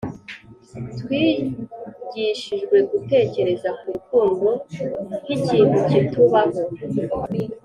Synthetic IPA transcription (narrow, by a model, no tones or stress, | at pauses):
twiː | ɟiʃiʒɡwe̞ɡute̞ːce̞ɾe̞zakuɾukuːŋɡohiciːn̥hucituβaho